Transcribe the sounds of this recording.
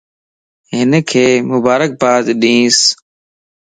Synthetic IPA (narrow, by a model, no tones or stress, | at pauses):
ɦɪnkʰeːmʊbaːɾək̚baːd̪ɗĩːs